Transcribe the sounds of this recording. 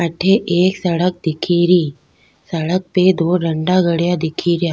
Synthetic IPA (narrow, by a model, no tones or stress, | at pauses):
ɐʈʰeʔeːksɐɽək̚d̪ɪkʰiɾiː | sɐɽək̚ped̪oːɖɐ̃ɳɖaɡɐɽjad̪ɪkʰiɾjaː